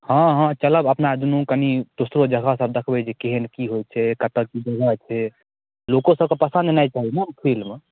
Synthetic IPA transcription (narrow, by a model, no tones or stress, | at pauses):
hãɦãt͡ʃələbəpnad̪unũkənid̪̥osɾod͡ʒəɡʱasəb̚d̪əkʰbɛd͡ʒekeɦenkiɦojt͡ʃʰɛkət̪əkid͡ʒəɡʱat͡ʃʰɛ | lokõsəb̚kepəsə̃nd̪najt͡ʃaɦinapʰilme